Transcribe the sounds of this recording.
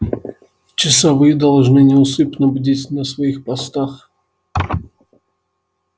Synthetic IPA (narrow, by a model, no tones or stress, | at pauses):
t͡ʃɪsɐvɨjəd̪ɐlˠʐnɨnʲɪʊsɨpnəbdʲɪtʲnɐsvɐixpɐst̪ax